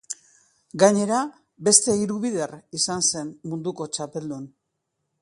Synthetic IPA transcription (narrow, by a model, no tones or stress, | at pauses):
ɡaɲe̞ɾa | be̞st̪e̞iɾuβiðe̞risanse̞nmund̪uko̞t͡ʃape̞ld̪un